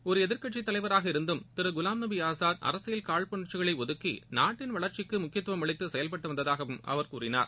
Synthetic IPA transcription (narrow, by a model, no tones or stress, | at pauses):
ɔɾɯɛðɪɾkɐʈt͡ʃːɪt̪ːɐlɐɪʋɐɾaːɣɐɪɾɯnd̪ɯmt̪ɪɾɯɡʊlaːmnɐbiaːsaːðɐ̰ɾɐsɪjɪlkaːɭpɐɳɐt͡ʃːɪɣɐɭɐɪɔðɯkːinaːʈːɪnʋɐɭɐɾt͡ʃɪkːɯmʊkːɪjɐt̪ːʊʋɐmɐɭɐɪt̪ːɯsɛjɐlpɐʈːɐʋɐnd̪ɐðaːɣɐʋɯmɐ̰ʋɐɾkuːrɪna̰ːɾ